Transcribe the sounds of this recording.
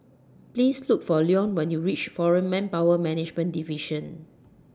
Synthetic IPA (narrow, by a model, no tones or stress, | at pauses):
plislukfɔliɔ̃nwɛ̃njuɹit͡ʃfɔɹə̃nmɛ̃npawəmɛnɪd͡ʒmə̃ndiviʃə̃n